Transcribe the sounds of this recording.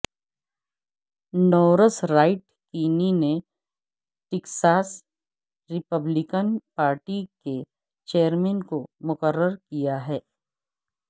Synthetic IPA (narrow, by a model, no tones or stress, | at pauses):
nɔːɾəsɾaːɪʈ | kiːnine | ʈɪksaːs | ɾɪpəblɪkənpaːɾʈike | t͡ʃeːəɾmɛ̃ːnkomʊkəɾːəɾkijaɦɛː